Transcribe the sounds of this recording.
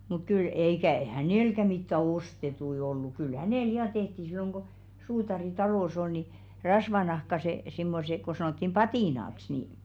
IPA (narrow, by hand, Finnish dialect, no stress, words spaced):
muk kyl eikæ hæneˑlkæ mitːæ ostetui olːu kyl hæneˑl jɑ tehti silːoŋ ko suːtɑri tɑloˑs ol ni rɑsʋɑnɑhkɑse simːose ko sɑnoˑtːim pɑtiˑnɑks niˑ